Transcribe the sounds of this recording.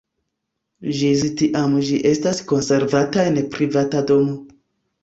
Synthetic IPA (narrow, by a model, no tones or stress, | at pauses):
ʒiztiʔamʒiʔe̞stasko̞nse̞ɾvataenpɾivatado̞no